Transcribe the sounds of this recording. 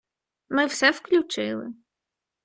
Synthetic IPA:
mɪwsɛwklʲut͡ʃɪlˠɪ̰

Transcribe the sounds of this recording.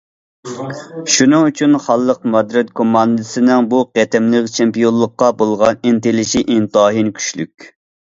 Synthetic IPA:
ʃunɨŋyt͡ʃʰynχɑlˠːəqmɑd̪ɾɛt̪̚kʰomːɑnd̪ɨsɪnɪŋbuqɛt̪ɛmlɪkʲt͡ʃʰɛmpijolˠːəqːɑbolˠʁɑnint̪elɪʃiʔint̪ɑːɦinkʲʰy̥ʃly̰kʲ

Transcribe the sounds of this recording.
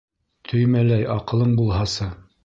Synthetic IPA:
t̪ʰɵ̆jmælæjɑqɤ̆lˠɤɴbulˠɦɑsɤ

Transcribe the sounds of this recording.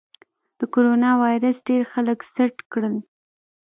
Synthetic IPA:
d̪̥əkoɾonɑwɑjɾəsɖeɾxaləksaʈkɽəl

